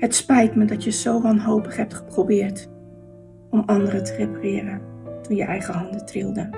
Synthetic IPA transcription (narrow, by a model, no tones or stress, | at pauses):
hətspɛjtmədɑtjəzowʋɑnɦowpəχɦɛp̚tχə̥probɪːɹt | ɔmɑndərətʰəreparɪːrəntunjəʔɛjχəɦɑndətrɪ̰lˠdə